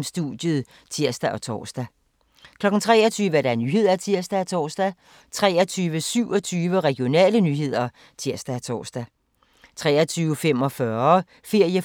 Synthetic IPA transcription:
msd̥ud̥jəð̩ˠ | t͡sʰiɐ̰sd̥æʔɒ̽t͡sʰɒ̰ːsd̥æ | kʰlɒ̽ɡ̥n̩t͡sʰʁɛːɐt͡sʰyːʋəæɐɾ̥ɑnyːɦe̝ð̞̰ˠɐæt͡sʰiɐ̰sd̥æːt͡sʰɒ̰ːsd̥æ | t͡sʰʁɛːɐt͡sʰyːʋəsyʊ̰ɒt͡sʰyːʋəʁɛɡ̥ijo̝nɛ̰ːlənyːɦe̝ð̞̰ˠɐ | t͡sʰiɐ̰sd̥æt͡sʰɒ̰ːsd̥æ | t͡sʰʁɛ̰ːɐt͡sʰyːʊəfem̰ɒ̽fɶɐ | fe̝ɐ̰jə

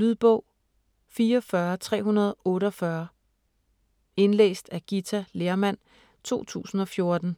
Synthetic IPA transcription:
lyðˠb̥ɔʊ̰ | fiːɒfɶɐt͡sʰʁɛ̰ːɦunɐð̞ˠɔ̽ːɾəɒfɶɐ | e̝nlḛːsd̥æɡ̥it͡sʰæle̝ːɐmæn̰ | t͡sʰo̝̰ːt͡sʰṵːsn̩ɒ̽fjo̝ɐd̥n̩

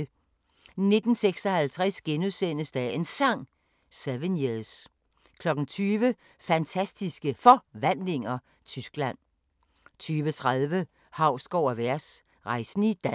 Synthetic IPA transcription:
ne̝d̥n̩seɡ̥sɒ̽hælt͡sʰʁɛsɡ̥enuðˠsen̰əsd̥æe̝nsɑ̈ŋ̰ | sæʋenjeðˠs | kʰlɒ̽ɡ̥n̩t͡sʰyːʋə | fænt͡sʰæsd̥isɡ̥əfɒ̽ʋæn̰le̝ŋɐ | t͡sʰysɡ̥læn̰ | t͡sʰyːʋət͡sʰʁaðˠʋə | hɑ̈ʊ̰sɡ̥ɒʊ̰æʋæɐ̰s | ʁɑ̈ɪsn̩id̥æ

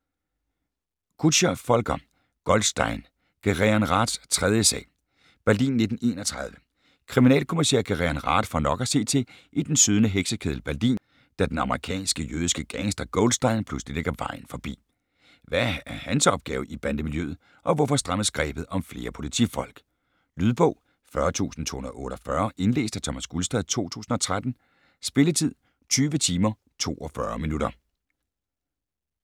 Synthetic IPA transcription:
kʰu̥ɕɐfɒ̽lɡ̥ɐ | ɡ̥ɒld̥sd̥ɑ̈ɪn | ɡ̥ʰeʁiænʁɑ̈ːd̥st͡sʰʁɛð̞ˠjəsɛ̰ː | b̥æɐdḭːnːe̝d̥n̩e̝ːnɒt͡sʰʁɑ̈ð̞ˠʋə | kʰʁiminɛ̰ːlkʰo̝misḛɐ̰kʰeʁiænʁɑ̰̈ːd̥fɒ̽nɒ̽ɡ̥ɐse̝̰ːt͡sʰe̝ʔid̥ensyð̞ˠnəɦeɡ̥səkʰeð̞ˠl̩b̥æɐd̥ḭːn | d̥æd̥enɑ̈məʁikʰɛ̰ːnsɡ̥əjøːð̞ˠisɡ̥əɡ̥æŋsd̥ɐɡ̥ɔld̥sd̥ɑ̈ɪnpʰluslile̝ɡ̥ɐʋɑ̈ɪ̰n̩fɒ̽b̥ḭː | ʋææɐhænsɒ̽b̥̚ɡ̥ɛːʊib̥ænd̥əmiljø̰ːð̩ˠ | ʔɒ̽ʋɔfɒ̽sd̥ʁɑ̈məsɡ̥ʁɛ̰ːb̥ð̞̩ˠɒ̽mfle̝ːɐpʰo̝lit͡sʰḭfɒ̽l̰ɡ̥ | lyð̞ˠb̥ɔ̰̽ʊ̰ | fɶɐt͡sʰṵːsn̩t͡sʰo̝hunɐðˠɔ̽ːɾ̥ɒfɶɐʔe̝nle̝̰ːsd̥æt͡sʰɒ̽mæsɡ̥ulsd̥ɛð̰ˠt͡sʰo̝̰ːt͡sʰṵːsn̩ɒ̽t͡sʰʁad̥n̩ | sb̥e̝lət͡sʰið̞̰ˠ | t͡sʰyːʋət͡sʰiːmɐ | t͡sʰo̝̰ːʔɒ̽fɶɐminuɾɐ

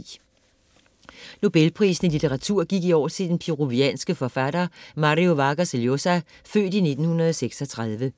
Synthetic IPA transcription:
no̝b̥elpʰʁḭːsn̩əlit͡sʰeʁɑ̈t͡sʰuɐ̰ɡ̥iɡ̥iɒ̰ːt͡sʰe̝d̥enpʰiʁo̝ʋiɛ̰nsɡ̥əfɒfæd̥ɐːmɑʁio̝ʋɑ̈ɡ̥ɐseljo̝sæ | fø̰ːd̥ine̝d̥n̩hunɐð̩ˠɒseɡ̥sɒt͡sʰʁaðˠʋə

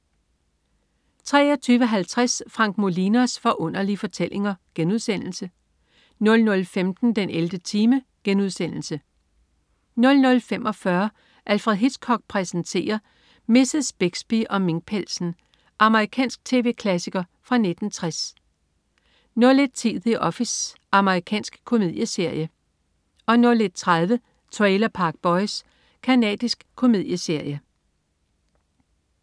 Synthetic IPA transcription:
t͡sʰʁɛ̰ːɒt͡sʰyːʋəɦælt͡sʰʁasfʁɑ̈ŋɡ̥̚mo̝linæsfɒ̽ʔɔ̽n̰ɐlifɒ̽t͡sʰel̰ʔe̝ŋɐɡ̥enuð̞ˠsen̰l̩sə | nɔ̽lnɔ̽lfemd̥n̩d̥eneld̥ət͡sʰiːmə | ɡ̥enuð̞̰ˠsen̰l̩sə | nɔ̽lnɔ̽lfemʔɒ̽fɶɐ | ʔælfʁɛðˠɦid̥skʰɒ̽ɡ̥̚pʰʁɛsənt͡sʰe̝̰ːɐ | me̝sesb̥eɡ̥sb̥iʔɒ̽me̝ŋ̥̚pʰel̰sn̩ | ʔɑ̈məʁikʰɛ̰ːnsɡ̥̚t͡sʰe̝̰ːʋe̝̰ːkʰlæsiɡ̥ɐ | fʁɑ̈ne̝d̥n̩t͡sʰʁas | noɐle̝d̥̚t͡sʰiðˠiʔɒ̽fis | ɑ̈məʁikʰɛ̰ːnsɡ̥kʰo̝mið̰ˠjəse̝ɐ̰jə | ɒ̽noɐled̥̚t͡sʰʁaðˠʋə | t͡sʰʁɛːlɐpʰɑ̈ɡ̥̚b̥ɒ̽ɪs | kʰænɛ̰ːd̥isɡ̥kʰːo̝mið̞̰ˠjəse̝ɐ̰jə

